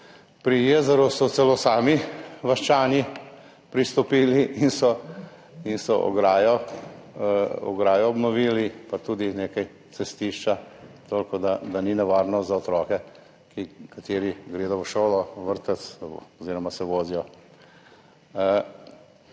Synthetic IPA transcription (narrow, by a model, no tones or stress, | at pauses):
pɾijeːzɛɾusɔt̪sɛloːsaːmiʋaʃt͡ʃaːnji | pɾist̪ɔpiːliinsɔ | insɔ̰ʔɔ̰ɡɾaːjɔ | ɔ̰ɡɾaːjɔɔbnɔʋiːlipat̪uːd̪ineːkaj | t͡s̪ɛst̪iːʃt͡ʃat̪oːlkɔd̪ad̪aninɛʋaːɾnɔzaɔt̪ɾɔːkɛ | kikat̪eːɾiɡɾeːd̪ɔʋəʃoːlɔʋəɾt̪əsɔziːɾɔmasɛʋoːzijɔ